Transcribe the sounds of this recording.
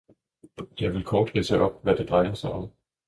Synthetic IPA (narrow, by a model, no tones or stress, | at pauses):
jɑ̈ɪʋe̝lkʰɒːd̥ɡesəʔɒ̽b̥ʋæd̥e̝d̥ʁɑ̈ɪɐsɑ̈ɪʔɒ̽m